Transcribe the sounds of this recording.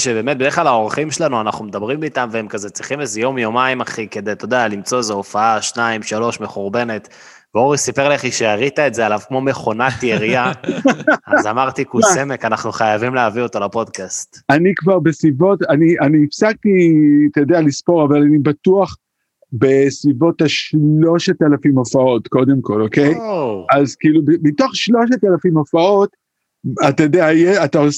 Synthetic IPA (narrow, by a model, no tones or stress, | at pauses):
ʃebe̞ːmet̪̚bede̞χlalao̞ʁχimʃelanuanaχnumed̪abʁimbiːt̪amveemkazet͡sʁiχimezejo̞mjo̞maimaχike̞d̪ejt̪o̞d̪ealimt͡so̞ezeofaaʃnaimʃalo̞ʃme̞χuʁbe̞ne̞t̪ | veoʁisipeʁleχiʃeaʁit̪aetzealavkmo̞meχo̞natjeʁia | azamaʁt̪ikuseme̞kanaχnuχajavimleavio̞to̞lapo̞d̪kast̪anikvaʁbe̞sivo̞taniʔaniːfsak̚tit̪ajod̪ealispo̞ʁavalanibatuaχ | be̞svivo̞thaʃlo̞ʃetelafimofao̞tko̞de̞mko̞lokejazkiːlubmitoχʃlo̞ʃetalafimofao̞t | at̪ajod̪eajeataos